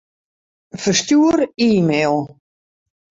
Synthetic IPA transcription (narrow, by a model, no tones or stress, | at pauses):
fərstjuəɾiːmeːlˠ